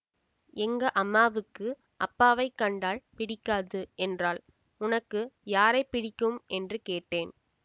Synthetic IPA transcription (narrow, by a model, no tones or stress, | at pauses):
ɛŋɡɐʔɐmːaːʋɯkːɯ | ʔɐpːaːʋɐɪkːɐɳɖaːlpɪɽɪkːaːðɯʔɛndraːl | ʊnɐkːɯjaːɾɐɪpːɪɽɪkːɯmʔɛndrɯkeːʈːeːn